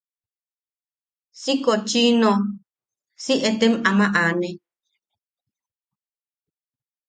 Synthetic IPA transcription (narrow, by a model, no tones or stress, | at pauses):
sikot͡ʃino | siʔet̪emamãʔaːnẽ